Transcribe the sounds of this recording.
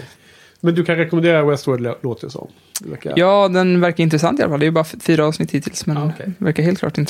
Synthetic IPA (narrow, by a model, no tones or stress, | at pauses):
mɛnd̪ɵkʰanɾɛkɔmɛnd̪eːɾawɛst̪wəɖloːt̪əsɔ̰m | vɛ̰kjɑːd̪ɛnvæɾkaɾɪnt̪ɾɛsa̰nt̪ɪalafald̪ɛjʏbɑːɾafyːɾaɑːvsnɪt̪ːhiːt̪ʰɪlsmɛnvæ̰ɾkaɾɦeːlt̪klɑːʈɪnt̪